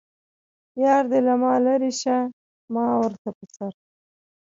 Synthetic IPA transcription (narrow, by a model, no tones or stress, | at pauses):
jɑːɾd̪elamɑlaɾiʃa | mɑwəɾt̪apəsaɾ